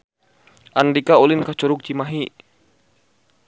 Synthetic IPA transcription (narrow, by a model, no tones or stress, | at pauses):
ʔandikaolinkat͡ʃɔɾʊk̚t͡ʃimaɦi